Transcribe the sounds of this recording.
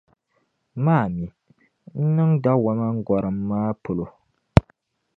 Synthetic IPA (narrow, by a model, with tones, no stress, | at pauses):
maː˦˨mi˨ | n̩˦nɨ˦ŋda˦wa˦ma˦ŋ̩˦ɡɔ˨ɾɨ˨mː˦aː˦pʊ˨lo˨